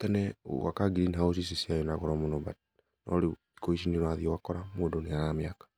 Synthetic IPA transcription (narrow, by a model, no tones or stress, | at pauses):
tɛnɛ̰wa̰kaɡiɾiniɦaos̬is̬isiajɔnaɣɔɾɔmonɔba̰t | nɔ̰ɾe | i̥koiʃiniɾwaðiɔwakɔɾamoːdoneaɾameakḁ